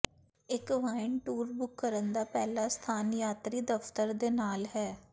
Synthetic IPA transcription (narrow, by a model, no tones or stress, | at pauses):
ɪkʋaːɪɳʈuːɾbʊkːəɾənd̪aːpɛːlaːst̪ʰaːnjaːt̪ɾiːd̪əfʰt̪əɾd̪eːnaːlɦɛː